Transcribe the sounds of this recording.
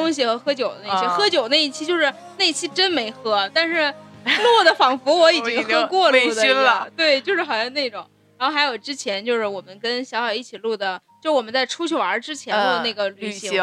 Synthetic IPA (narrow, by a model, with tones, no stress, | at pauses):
ʊ˥ŋɕ̬i˨˩xɤ˧˥xɤ˥t͡ɕjʊd̪ə˦ne˧˩i˥xɤ˥t͡ɕjo˨˩ʊne˥˧ɪi˥˩t͡ɕʰi˥t͡ɕjo˥˧ʊʂɻ̩˥˧ | ne˥˩ɪ˧t͡ɕʰi˥ʈ͡ʂə˥nme˧˥ɪxɤ˥t̪a˥˧nʂɻ̩˥˧˩lwɔ˥˩d̪ə˩fɑ˨˩ŋfu˧˥wɔ˧˥i˨˩t͡ɕi˥ŋxɤ˥kwɔ˥˧ld̪ə˨˥˧t̪we˥˩ɪt͡ɕjo˥˧ʊʂɻ̩˥˩xɑ˨˩ʊjɑ˥˧ne˥˩ɪʈ͡ʂʊ˨˩˦ŋ | ɻɻa˧˥xxa˧˥ɪjo˨˩ʊʈ͡ʂɻ̩˥t͡ɕʰjɛ˧˥nt͡ɕjo˥˧ʊʂɻ̩˥˩wɔ˨˩mə˦nkə˥nɕjɑ˧˥xjɑ˨˩ʊi˥˩t͡ɕʰi˨˩lu˥˩d̪ə˩t͡ɕjʂ̩˥˧wɔ˨˩mə˦nt͡sa˥˩ɪʈ͡ʂʰu˥t͡ɕʰy˥˩ɐ̰˞˧˥ʈ͡ʂɻ̩˥t͡ɕʰjɛ˧˥nɔ˥˧ne˥˩ɡə˩ly˨˩˨ɕi˧˥˧